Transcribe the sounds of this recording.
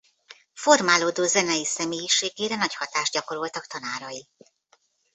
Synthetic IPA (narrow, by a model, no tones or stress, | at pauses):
fo̞rmaːloːd̪oːzɛnɛjisɛmeːjiʃeːɡeːɾɛnɒchɒt̪aːʒd̚ɟɒko̞ɾolt̪ɒkt̪ɒnaːɾɒji